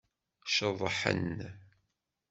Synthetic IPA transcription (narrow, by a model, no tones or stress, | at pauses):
ʃəðˤːəħə̰n